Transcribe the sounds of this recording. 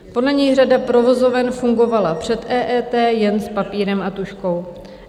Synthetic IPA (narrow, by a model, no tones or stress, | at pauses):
po̞dlɛɲɛjr̝adapɾo̞vo̞zovɛnfuŋɡo̞valapr̝̥ɛt̪ʔɛːʔɛːt̪ɛːjɛnspapiːɾɛmat̪uʃko̞w